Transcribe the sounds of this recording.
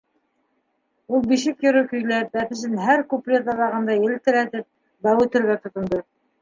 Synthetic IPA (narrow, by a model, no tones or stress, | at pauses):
ulˠbiʃɘkjɵ̆ɾɵkɵ̆jlæp̚bæθɘ̆ʃ̬ɘnɦæɾkuplʲed̪ɑðˠɑʁɤ̆nd̪ɑjɘ̆lt̪ɘ̆ɾæt̪ɘp̚ | d̪ɑwʉt̪ɘ̆ɾɡæt̪ŏt̪ŏnd̪ɤ